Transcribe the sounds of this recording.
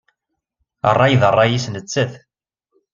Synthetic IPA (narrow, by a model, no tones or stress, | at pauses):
ə̰rˤːɑjðərˤːɑjisnət͡sːəθ